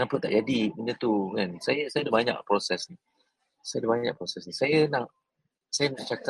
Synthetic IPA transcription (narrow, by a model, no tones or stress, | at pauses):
ŋampənt̪a̰ʔd͡ʒadiminət̪ukansajasajadabaɲã̰ʔpɾosɛsni | sajadabaɲɲa̰ʔpɾosɛsnĩsajənaʔ | sajənaʔt͡ʃaka